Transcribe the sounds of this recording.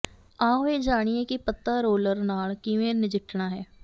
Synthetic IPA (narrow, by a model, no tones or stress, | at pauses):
ãːʋeːd͡ʒaːɽ̃ieːkɪpət̪ːaːɾoːləɾnaːlkɪʋẽːnɪd͡ʒɪʈʰːɳaːɦɛː